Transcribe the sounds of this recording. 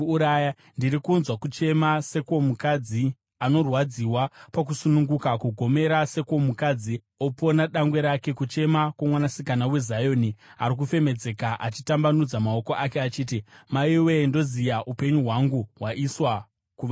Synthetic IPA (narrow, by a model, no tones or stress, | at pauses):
ɾaja | ndiɾikunzwakut͡ʃe̞mase̞ko̞mukad͡zi | ano̞rwad͡ziwapak̬usunuŋɡukakuɡʱo̞me̞ɾase̞ko̞mukad͡zi | o̞po̞naɗaŋɡwe̞ɾake̞kut͡ʃe̞makwamwanasikanawe̞zajo̞nia̰ɾik̬ufe̞me̞d͡ze̞kaʔat͡ʃi̥tambanud͡zamao̞koʔake̞at͡ʃiːtimaiwe̞ndo̞zijaʔupe̞ɲuɦwaŋɡuɦwaʔiswa | kuʋa